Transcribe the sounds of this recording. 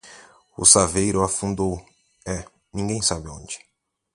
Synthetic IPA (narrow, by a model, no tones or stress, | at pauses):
ʊ̰savejɾʊafũnd̪ow | ɛ | nĩɡẽj̃sabɪõ̰d͡ʒɪ̥